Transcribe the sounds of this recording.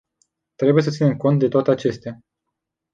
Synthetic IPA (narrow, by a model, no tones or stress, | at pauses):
t̪ɾebujesət̪sinemko̞nt̪̚d̪e̞t̪oat̪eat͡ʃe̞st̪ea